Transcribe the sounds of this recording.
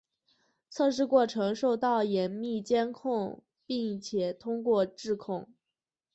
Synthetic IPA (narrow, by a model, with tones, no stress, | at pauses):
t͡sʰɤ˥˧ʂ̬ɻ̩˥˧kwɔ˥˩ʈ͡ʂʰɤ˧˥ŋʂo˥˧ʊt̪ɑ˥˩ʊjɛ˧˥nmi˥˩t͡ɕjɛ˥nkʰʊ˥˧ŋ | pi˥˩ŋt͡ɕʰjɛ˨˩t̪ʰʊ˥ŋkwɔ˥˧ʈ͡ʂɻ̩˥˧kʰʊ˥˩ŋ